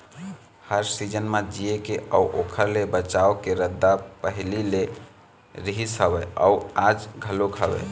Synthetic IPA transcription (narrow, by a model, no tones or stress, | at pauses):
həɾsid͡ʒənmed͡ʒijekeəuʔokʰəɾlebət͡ʃaokeɾəd̪ːapəɦilile | ɾiɦisəbɛəuad͡ʒɡʱəlokʰəbɛ̰